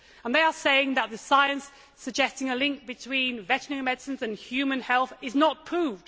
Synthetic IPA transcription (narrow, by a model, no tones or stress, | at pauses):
ə̃nðeɪəseɪɪ̃ŋðəʔ̪̚ðɨsaɪə̃nsː | əɡ̚d͡ʒɛstɪ̃ŋəlɪ̃ŋk̚b̥ɨtʰw̥ĩnvɛt͡ʃnɪ̃ŋmɛdsɨ̃nzɨ̃nhjʉːmə̃nhɛlˠθɪznət̚pʰɹ̥uvd̥